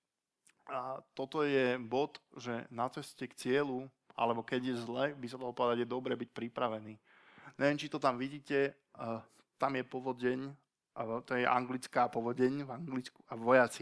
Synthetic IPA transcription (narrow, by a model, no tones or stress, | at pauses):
t̪ɔt̪ɔjɛbɔt̪ʒɛnat͡sɛscɛkt͡sɪɛlu | a̰lɛbɔkɛɟjɛzlɛbisad̪aɦlɔpɔʋɛd̪aɟjɛd̪ɔbɾɛbic̚pɾipɾaʋɛniː | ɲʔɛʋjɛnt͡ʃit̪ɔt̪amʋiɟiːcɛ | t̪amjɛpɔʋɔɟɛɲ | t̪ɔjɛʔa̰ŋɡlit͡skaːpɔʋɔɟɛɲvaŋɡlit͡skuavʋɔjat͡si